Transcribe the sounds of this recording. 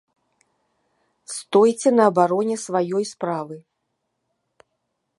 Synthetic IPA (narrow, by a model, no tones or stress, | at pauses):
st̪ɔjt͡sʲɛnɐːbaɾɔnʲɛsvajɔjspɾavɨ